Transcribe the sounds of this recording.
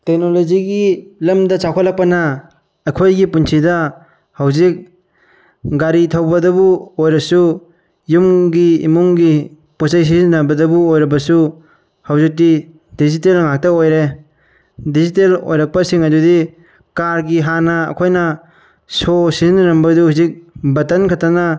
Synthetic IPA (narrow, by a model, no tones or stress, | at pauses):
tek̚nolod͡ʒiɡilɐmdɐt͡ʃakʰalɐk̚pɐnɐ | ɐkʰojɡipunsʰidɐ | hɐwzik̚ | ɡaɾitʰɐwbɐdɐbuojɾɐsu | jumɡiḭmuŋɡi | posajs̬izinɐbɐdɐbuojɾɐbɐsu | hɐwzik̚di | dizitelŋak̚tɐojɾe | dizitelo̰jɾɐk̚pɐsiŋɐdudi | kaɾɡiɦanɐɐ̰kʰojnɐ | sosizinɐɾɐmbɐduhuzik̚bɐtɐnkʰatɐnɐ